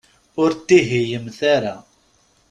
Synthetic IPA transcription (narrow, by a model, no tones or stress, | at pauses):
ʊɾt̪iɦijəmθæɾæ